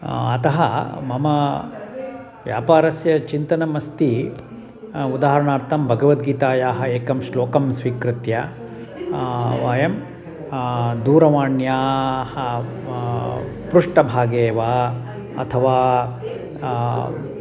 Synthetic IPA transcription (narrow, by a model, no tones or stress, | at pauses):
ɐt̪ɐɦɐ̰mɐmɐ | ʋjaːpaːɾɐsjɐt͡ʃint̪ɐnɐmɐst̪i | ud̪aːɦɐɾɐɳaːɾt̪ʰɐmbʱɐɡɐʋɐt̪̚ɡiːt̪aːjaːɦɐeːkɐmʃloːkɐmsʋikɾɪt̪jɐ | ʋaːjɐm | d̪uːɾɐʋaːɳjaːhɐ | pɾuʂʈɐbʱaːɡeːʋaː | ɐ̰t̪ʰɐʋaː